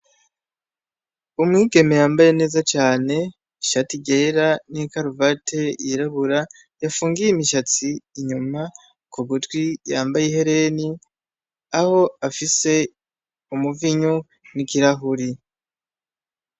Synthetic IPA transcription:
umŋiːɡe̞me̞jaːmbaje̞ne̞ːzat͡ʃaːne̞ | iʃatiɟeɾanikaɾuvatʰe̞iɾaβuɾa | jafuːŋɡijimiʃat͡siːɲuma | kuβutwijaːmbajehe̞ɾe̞ni | aho̞afise̞ | umuviɲo | nikiɾaɦuɾi

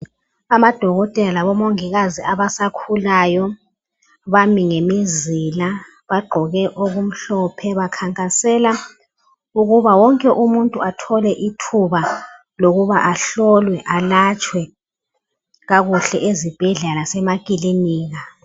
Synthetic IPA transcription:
amad̥ʱɔɣɔtʼɛlalaβɔmoŋiɣaziaβasakʰulaːjɔ | βamiŋemizila | βaɡ͡ǃʱɔɣɛʔoɣum̩ɬɔpʰɛβakʰaŋkʼasɛla | uɣuβawɔŋkʼɛʔumuntʼuatʰɔlɛʔitʰuβa | loɣuβaʔaɬɔlwɛʔalat͡ʃʼwɛ | ɣaɣuɬɛʔezib̥ʱɛɮɛlasɛmakʼiliniːɣa

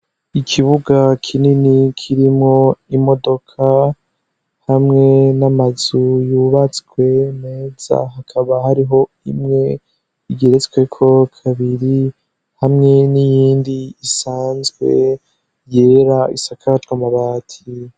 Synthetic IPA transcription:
ikʰiβuɡakʰininikʰiɾimŋo̞imo̞do̞kʰa | hamŋe̞namazujuːβat͡sɡwe̞neːz̥a̰hakʰaβahaɾiɦo̞ | imŋe̞ | iɡe̞ɾe̞t͡sɡwekʰo̞kʰaβiɾi | hamŋe̞nijiːndiːsaːnzɡwe̞ | jeɾaisakʰatɡwamaβaːtʰi

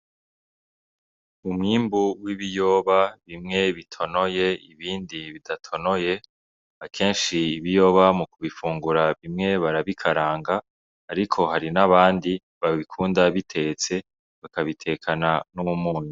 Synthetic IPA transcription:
umŋiːmbuwiβijo̞βaβimŋe̞βitʰo̞no̞je̞iβiːndiβidatʰo̞no̞je̞ | akʰe̞ːnʃiːβijo̞βamukuβifuːŋɡuɾaβimŋe̞βaɾaβikʰaɾaːŋɡaː | ɾikʰo̞ɦaɾinaβaːndi | βaβikʰuːndaβitʰe̞t͡se̞ | βakaβitʰe̞kʰananumuːnu

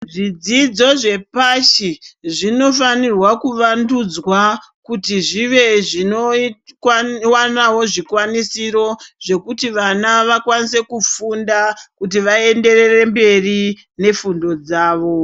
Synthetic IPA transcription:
ʐid͡zid͡zo̞ʐe̞paʃiʐino̞fanirwakuʋandud͡zwa | kutiʐiʋe̞ʐino | wanaɦo̞ʐikwanisiro̞ʐe̞kutiʋanaʋakwanise̞kufundakutiʋae̞nde̞re̞re̞mbe̞ri | ne̞fundo̞d͡zaːʋo̞

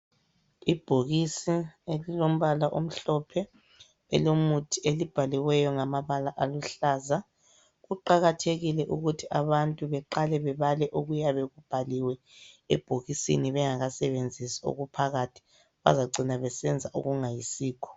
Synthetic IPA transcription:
ib̥ʱoɣisielilom̩βalaʔom̩ɬɔpʰɛ | ɛ̰lomutʰielib̥ʱaliwɛjɔŋamaβalaʔaluɬaːza | ɣuǃaɣatʰeɣilɛʔuɣutʰiaβantʼuβɛǃalɛβɛβalɛʔuɣujaβeɣub̥ʱaliwɛ | ɛ̰b̥ʱoɣisḭniβɛŋaɣasɛβend͡zʱisḁo̰ɣupʰaɣatʰi̥ | βa̰zaɡ͡ǀʱinaβɛsɛnd͡zʱaʔṵɣuŋajisiːkʰɔ̥

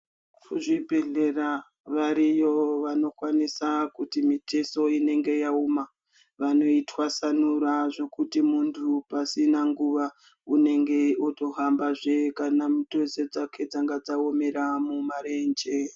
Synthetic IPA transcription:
kʰuʐibʱe̞ɮe̞ra | ʋaɾijo̞ʋano̞kwanisakutimiteso̞ine̞ŋɡe̞jauma | ʋano̞itwasanuɾaʐo̞kutimuntʰupasinaŋɡuʋa | une̞ŋɡe̞oto̞ɦambaʐekanamutose̞d͡zakʰe̞d͡zaŋɡad͡zaome̞ɾamumaɾend͡ʒe

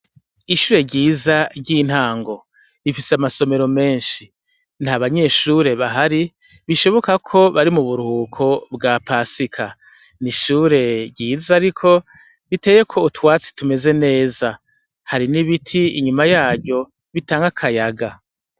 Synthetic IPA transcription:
iʃuːɾe̞ɟiːzaɾɟin̥haːŋɡo̞ | ifiseamaso̞me̞ɾo̞me̞ːnʃi | n̥haβaɲe̞ːʃuɾe̞βaɦaɾi | βiʃo̞βo̞kakʰo̞βaɾimuβuɾuhuːkʰo̞bɡaːpaːsikʰa | niʃuːɾe̞ɟiːzaɾikʰo̞ | βite̞je̞kʰo̞utwaːt͡si̥tume̞ze̞ne̞ːza | haɾiniβitʰiḭɲumajaːɟɟo̞ | βitaːŋɡakʰajaɡa

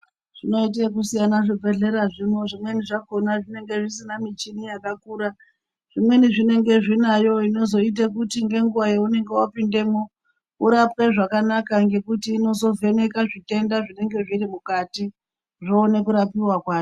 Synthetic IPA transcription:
ʐ̥ino̞it̬ek̬usijanaʐibʱe̞ɮe̞ɾaʐino̞ʐimwe̞niʐako̞naʐine̞ŋɡe̞ʐisinamit͡ʃinijakakuːɾa | ʐ̥imwe̞niʐine̞ŋɡe̞ʐinajo̞ino̞zo̞it̬ek̬utiŋɡe̞ŋɡuʋajeune̞ŋɡe̞wapinde̞mu | uɾapwe̞ʐakanakaŋɡe̞kutiːno̞zo̞vʱe̞ne̞kaʐite̞ndaʐine̞ŋɡe̞ʐiɾimukati | ʐo̞ːne̞kuɾapiwakwaːo

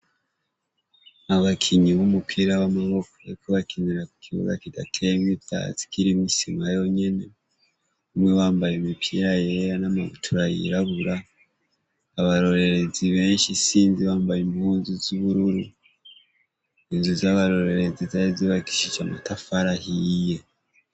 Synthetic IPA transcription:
aβakʰiɲiβumupʰiɾaβamaβo̞ko̥eikoβakiɲiɾaku̥kʰiβo̰ɡa̰kida̰tʰemita̰zi̥kiɾimisimɡajo̞ɲe̞ne | umŋeβaːmbajemipʰiɾajeɾanamaβutʰuɾajḭɾaβuɾa | βaɾo̞ɾe̞ɾe̞ziβe̞ːnʃisiːnziβaːmbajimuːnzuziβuɾuɾu | inzuzaβaɾo̞ɾe̞ɾe̞zizaiziβaki̥ʃid͡ʒamatafaɾahije

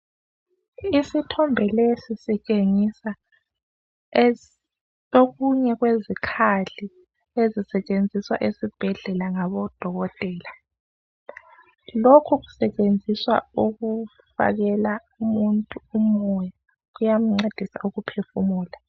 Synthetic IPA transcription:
isitʰɔmbʱɛlesisit͡ʃʼeŋisa | oɣuɲɛɣwezikʰaɮi | ezisɛt͡ʃʼend͡zʱiswa̰ʔesib̥ʱɛɮɛlaŋaβɔd̥ʱɔɣɔtʼɛːla | lokʰuɣu̥sɛt͡ʃʼend͡zʱiswa̰uɣu | fa̰ɣɛla | umuntʼuumɔja | ɣujam̩ŋ͡ǀed̥ʱisa̰ʔuɣupʰefumuːla

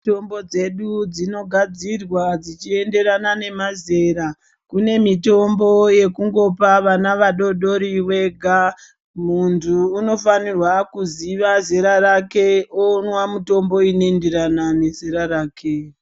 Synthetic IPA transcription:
to̞mbo̞d͡ze̞ɗud͡zino̞ɡʱad͡zirwad͡zit͡ʃie̞nde̞ɾanane̞maze̞ɾa | kune̞mito̞mbo̞je̞kuŋɡo̞paʋanaʋaɗo̞ɗo̞ɾiwe̞ɡʱa | muntʰuːno̞fanirwakuziʋazeɾaɾake̞onwamuto̞mbo̞inoendeɾanane̞z̥eɾaɾaːkʰe

